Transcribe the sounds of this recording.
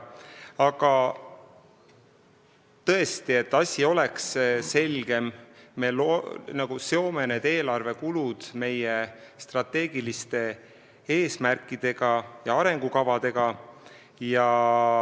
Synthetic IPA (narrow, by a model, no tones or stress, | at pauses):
ɑɡ̥ɑ | t̪ɤ̞e̞st̪ie̞t̪ːɑsʲio̞le̞ksse̞lɡ̥e̞mːe̞lonɑɡ̥useo̞me̞ned̪̥e̞ːlɑrve̞kulud̪̥me̞jest̪rɑt̪ːˑe̞ːɡ̥ilist̪e̞ | e̞ːsmærkːˑid̪̥e̞ɡ̥ɑjɑɑɾe̞ŋɡ̥ukɑvɑd̪̥e̞ɡ̥ɑ | jɑ